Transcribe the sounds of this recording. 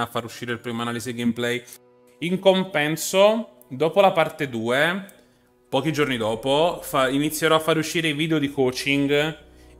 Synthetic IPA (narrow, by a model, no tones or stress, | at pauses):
afːaɾuʃːiːɾeilpɾiːmoanaːlizeɡemplɛj | iŋkompɛnso | d̪oːpolapart̪ed̪uːe | pɔːk̟id͡ʒornid̪ɔːpofainit̪sːjeɾɔafːaɾeuʃːiːɾeivid̪eod̪ikoːt͡ʃiŋɡ